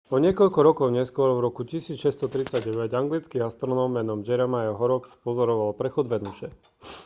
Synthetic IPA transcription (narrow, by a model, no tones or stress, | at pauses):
ɔɲɪɛkɔʎkɔɾɔkɔʊɲɛskʊɔɾvɾɔkucisiːt͡sʃɛst̪ɔt̪ɾit͡saɟɛʋɛɟaŋɡlit͡skiast̪ɾɔnɔmːɛnɔmd͡ʒɛɾɛmajɔɦɔɾɔkspɔzɔɾɔʋalpɾɛxɔd̪ʋɛnuʃɛ